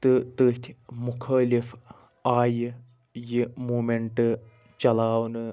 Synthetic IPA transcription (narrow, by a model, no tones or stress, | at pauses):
t̪ɨt̪əːt̪ʲʰmʊkʰɐːlif | aːj | jimuːmeɳʈɨ | t͡ʃɐlaːwnɨ